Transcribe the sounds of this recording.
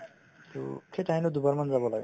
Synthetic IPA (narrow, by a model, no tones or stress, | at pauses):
t̪ṵkʰetaɦinod̪ubaɾmanzabɔlaɡ